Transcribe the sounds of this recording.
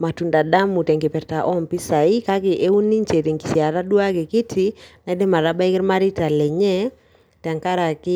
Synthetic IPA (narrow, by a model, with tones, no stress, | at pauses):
ma˨tu˨nda˨da˦mu˨tɛ˨ŋkɛ˨pɛ˨ɾta˨ʔɔ˦mpi˦sa˨i˦ka˦kɪ˨ʔe˦u˦ni˦ɲt͡ʃe˨ɾi˨ŋki˨sja˨ɾa˦dwa˦ke˨kɪ˦tʰi˨na˨˦dɛ˦ma˨ɾa˦ba˦i˦kɪ˦ɾma˦ɾi˦ta˨lɛ˨ɲɛ˦ | ta˨ŋka˦ɾa˨kɪ˦